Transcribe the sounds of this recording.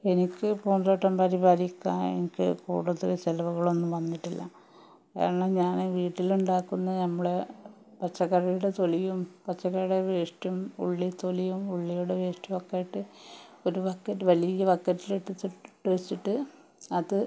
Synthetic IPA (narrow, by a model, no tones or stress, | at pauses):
e̞nikʲːɨpuːɳdroːʈːɐmpɐɾibaːɾikʲːa̰ḛnikʲːɨ̰kṵːɽɐðileselɐʋuɣɐɭo̞nːumʋɐnːiʈːilːɐ̰ | a̰ːɐɳːaɲaːnʋiːʈːiluɳɖaːkːunːɐnɐmːɐɽe | pɐt͡ɕːɐɣɐrɐjuɽe̞t̪o̞lijumpɐt͡ɕːɐɣɐjɽeʋeːʂʈɐmṵɭːit̪o̞lijumuɭːijuɽeʋeːʂʈɐmokːaːjiʈːɨo̞ɾuʋɐkːɐtːʋɐlijɐʋɐkːɐtːiliʈːɨt̪ːiʈʈːɨʋet͡ɕːiʈːɨ | ɐðɨ